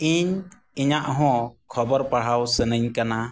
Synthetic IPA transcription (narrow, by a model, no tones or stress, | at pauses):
iɲ | iɲaʔɦɔ̃kʰɔbɔɾpaɽ̤awsənəɲkana